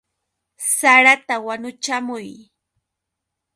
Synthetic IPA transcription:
saɾat̪awanʊt͡ʃamʊj

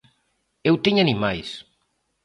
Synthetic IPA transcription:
ewt̪iɲanimajs

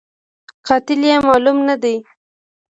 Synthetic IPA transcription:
qɑt̪ɪljemɑlumnad̪ej

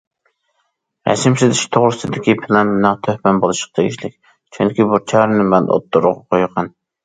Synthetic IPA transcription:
ɾɛ̰sɪmsɪzɪʃt̪ʰoʁɾɨsɨd̪ɪkʲipʰɪlɛnmɪnæŋt̪ʰøhpɛnbolˠɨʃqd̪ʰeɡʲiʃlɪk̚ʲ | t͡ʃʰyŋkʲibut͡ʃʰɛhɾɪnɪmɛno̰t̪ːuɾʁɑqʰojqʰɑn

